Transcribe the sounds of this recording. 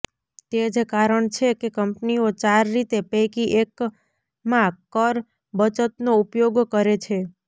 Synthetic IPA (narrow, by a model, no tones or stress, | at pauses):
t̪ed͡ʒkaɾəɳt͡ʃʰekekəmpniot͡ʃaɾːit̪epekiʔek | mãkəɾ | bət͡ʃət̪noupjoɡkəɾet͡ʃʰe